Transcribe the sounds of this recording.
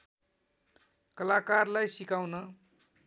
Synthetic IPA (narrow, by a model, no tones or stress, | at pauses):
kʌlakarlajsikawnʌ